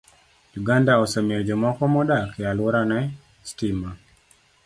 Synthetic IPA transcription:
juɡandaɔsemiɔd͡ʒɔmɔkɔmɔdakealɔɾanɛ | stima

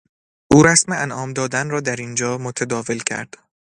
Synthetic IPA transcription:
ʔuːɾæsmeænʔɒːmd̪ɒːd̪ænrɒːd̪æɾind͡ʒɒːmot̪ʰæd̪ɒːve̞lcʰæ̰ɾd̪̥

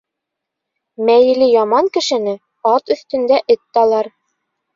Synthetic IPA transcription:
mæjɘ̆lɘjɑmɑŋkɘ̆ʃɘ̆nɘ | ɑt̪ɵ̆θt̪ɵ̆nd̪æʔɘt̪ːɑlˠɑɾ

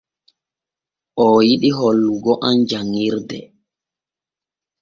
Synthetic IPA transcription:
ʔɔjiɗiɦolːuɡɔʔand͡ʒaŋːiɾdɛ

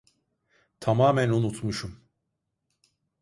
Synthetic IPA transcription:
t̪ʰamaːmænunut̪muʃum

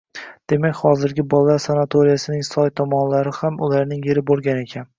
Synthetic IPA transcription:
d̪̥e̞makʲhɒzɪɾɡʲɪbɒlˠːaɾsanat̪ʰoɾijasɪnɪŋsɒjt̪ʰɒmɒnlaɾɪhamʊlaɾnɪŋjeɾɪbolˠɡʲane̞kʲʰan

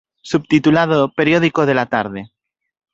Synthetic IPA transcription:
sub̚t̪it̪ulaðope̞ɾjoð̞ikoð̞e̞lat̪aɾðe̞

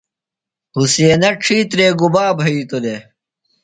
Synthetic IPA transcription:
huseːnɐʈ͡ʂʰiːt̪ɾeːɡubaːbʱɐit̪ule

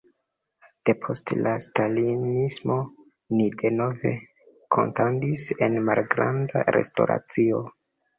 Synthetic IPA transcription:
d̥e̞pʰo̞stlastalinismo̞ | nide̞no̞ve̞ | kʰo̞̰ntandise̞nmalɡɾanda̰ɾe̞̰sto̞̰ɾa̰t͡sio̞

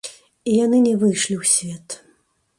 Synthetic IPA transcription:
ijanɨnʲɛvɨjʂlʲiwsʲvʲɛt̪

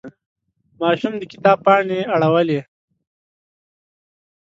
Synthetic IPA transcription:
mɑːʃumd̪əkɪ̥t̪ɑːb̚pɑːɳeaɽawəle

